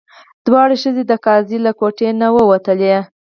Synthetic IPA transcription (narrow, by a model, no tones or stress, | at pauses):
d̪̥wɑɽeʃəzed̪əkɑzilakoʈenawəwat̪əle